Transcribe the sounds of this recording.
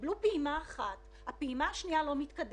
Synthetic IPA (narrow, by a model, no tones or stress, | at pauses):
blupeimaːχat | hapeimahaʃnialo̞mit̪kad